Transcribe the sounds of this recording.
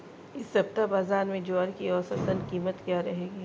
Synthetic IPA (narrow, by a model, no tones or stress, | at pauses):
ɪsːɐb̚t̪abaːzaːɾmẽd͡ʒɔːɾkiɔːsɐt̪ənkiːmət̪kjaːɾɐɦeːɡi